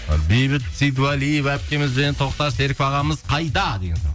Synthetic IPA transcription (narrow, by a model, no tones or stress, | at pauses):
bejbɪt̪sijd̪valijevæp̚kʲe̞mɪzbenent̪ʰo̞qt̪ɑʃt̪e̞ɾkʲpɑʁɑməzqʰɑjd̪ɑd̪e̞ɡʲenʰo̰